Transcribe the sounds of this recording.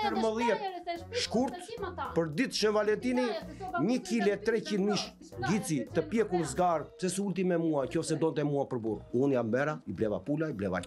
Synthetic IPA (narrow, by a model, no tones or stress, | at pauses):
pəɾməðjɛt̪ʃkuɾt̪pəɾd̪it̪ʃənvalɛnt̪iniɲəkilɛt̪ːɾɛt͡ɕinmiʃ | ɡit͡sit̪əpjɛkuɾzɡaɾpsɛsult̪imɛmuacɔfsɛd̪ɔnt̪ɛmuapəɾbuɾunjabɛɾaiblɛva̰pulaiblɛva̰